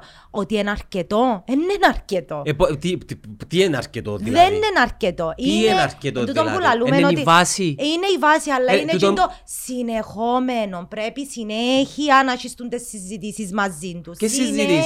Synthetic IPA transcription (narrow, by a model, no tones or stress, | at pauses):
ot̪iɛnaɾket̪ɔɛnːɛnaɾket̪oɛpːɔt̪it̪iɛna̰ɾket̪o̰t̪ðɛnːɛnaɾket̪oʔiaɾket̪ot̪ut̪ɔmpulalumɛnɔt̪ivasiineivasialːainɛut͡ʃɛnt̪ɔ | sinɛxɔmenɔmpɾɛpisinɛxianat͡ʃist̪unt̪ɛsːizːid̪isizmazːint̪uskesizd̪i